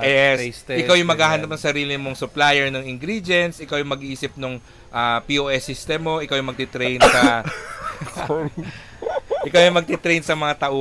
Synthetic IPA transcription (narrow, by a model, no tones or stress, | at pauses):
jɛssʔɪkawjʊŋmɐɡhaːhɐnɐp̚nɐŋsɐɾiːlɪmoŋsʊplajɛɹnɐŋɪŋɡɾid͡ʒjɛnt̪sʔɪkawjʊŋmɐɡʔiːsɪp̚nʊŋ | ʔɐpiʔoːʔɛsist̪ɛmoʔɪkawjʊŋmɐɡ̚t̪it̪ɾɛjnsɐ | ʔʔɪkawjʊŋmɐɡ̚t̪it̪ɾɛjnsɐmɐŋat̪ɐʔo